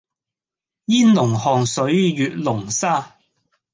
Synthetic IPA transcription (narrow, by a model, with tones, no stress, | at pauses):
jiː˥nlʊ˨˩ŋhɔː˨˩ŋsɵ˨˥ɥjyː˨t̚lʊ˨˩ŋsaː˥˩